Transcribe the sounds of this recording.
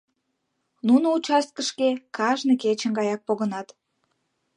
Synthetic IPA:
nunout͡ɕɑs̚kəʃkekɑʒneket͡ɕənɡɑjɑk̚poɣənɑt̪

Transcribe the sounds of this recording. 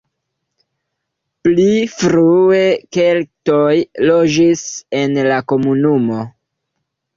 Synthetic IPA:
plifɾue̞ke̞lto̞jlo̞d͡ʒise̞nlako̞munumo̞

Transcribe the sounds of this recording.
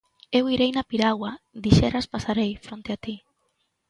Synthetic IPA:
ewiɾejnapiɾawad̪iʃɛɾaspasaɾejfɾont̪eat̪i

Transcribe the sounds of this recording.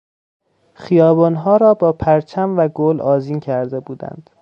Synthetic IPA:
χijɒːbɒːnɦɒːɾɒːbɒːpʰæɾt͡ʃʰæmvæɡolɒːziːncʰæɾd̪e̞buːd̪æ̰nd̪̥

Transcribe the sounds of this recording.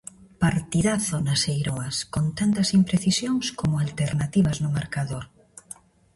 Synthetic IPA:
paɾt̪iðaθonasejɾoɐskont̪ant̪ɐsimpɾeθisjoŋskomʊalt̪eɾnat̪iβɐznʊmaɾkaðoɾ

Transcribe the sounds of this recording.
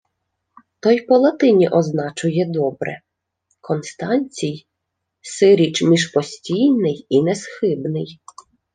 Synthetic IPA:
t̪ɔjpɔlˠɐt̪ɪnʲiʔɔznɑt͡ʃʊjɛd̪ɔbɾɛ̰ | kʰɔnst̪ɑnʲt͡sʲij | sɪɾʲit͡ʃmʲiʒpɔsʲtʲijnɪjinɛsxɪbnɪj

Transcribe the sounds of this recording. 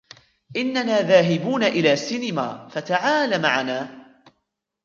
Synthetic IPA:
ʔɪnːanaːðaːɦɪbuːnaʔɪlaːsɪnɪma̰ːfat̪aʕaːlamaʕanaː

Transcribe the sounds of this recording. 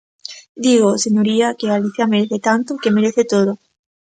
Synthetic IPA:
d̪iɣ̞oseɲoɾiakeɣaliθjameɾeθet̪ant̪okemeɾeθet̪oð̞o

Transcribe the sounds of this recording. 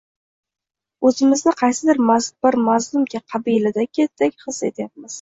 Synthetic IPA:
ɵzɪmɪznɪqʰɑjsɪd̪ɪɾmazb̥ɪɾmazlˠʊmkʲaqʰɑbijlad̪akʲʰet̪ːekʲχɨset̪ʰɪjap̚mɪz̥

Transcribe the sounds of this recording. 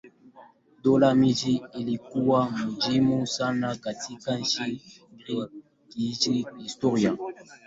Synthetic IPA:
dolamid͡ʒiilikuwamud͡ʒimusanakatʰikanʃi | ɡi | kid͡ʒiistoʁja

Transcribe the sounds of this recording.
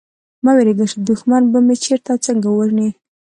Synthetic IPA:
mɑweɾeɡəʃid̪ʊxmanbamet͡ʃeɾt̪at͡səŋɡawaʒɳi

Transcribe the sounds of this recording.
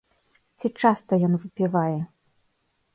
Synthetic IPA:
t͡sʲit͡ʂast̪ɐjɔnvɨpʲivajɛ

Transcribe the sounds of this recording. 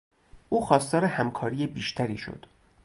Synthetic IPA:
ʔuːxɒːst̪ɒːɾehæmkʰɒːɾiːjebiːʃt̪ʰæɾḭːʃo̰d̪̥

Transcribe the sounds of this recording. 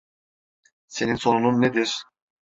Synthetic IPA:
se̞ninso̞nununːed̪iɾ̥

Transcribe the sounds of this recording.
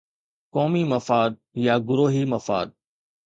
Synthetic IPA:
kɔːmimɐfaːd̪̚jaɡʊɾoːɦimɐfa̰ːd̪̚

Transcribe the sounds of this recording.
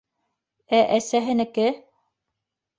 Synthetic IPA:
æʔæsæɦɘ̆nɘ̆kɘ

